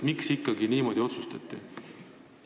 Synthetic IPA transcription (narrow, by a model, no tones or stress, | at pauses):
miksikːɑɡiniːmo̞d̪io̞t̪sust̪ɑ̰t̪ːˑḭ